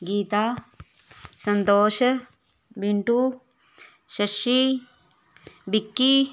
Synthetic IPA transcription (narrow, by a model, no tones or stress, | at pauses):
ɡiːt̪aː | sɐnt̪oːʃɐ | biɳʈuː | ʃɐʃi | bikːi